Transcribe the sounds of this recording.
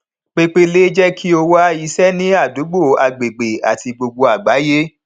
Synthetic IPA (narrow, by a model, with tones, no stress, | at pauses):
k͡pe˦k͡pe˦le˦d͡ʒɛ˦kʰi˦o˧wa˦i˧sɛ˦nĩ˦a˦˨du˨˦ɡ͡bo˦˨a˨ɡ͡be˨ɡ͡be˨a̰˨ti˧ɡ͡bo˧ɡ͡bo˧a˨ɡ͡ba˨˦je˦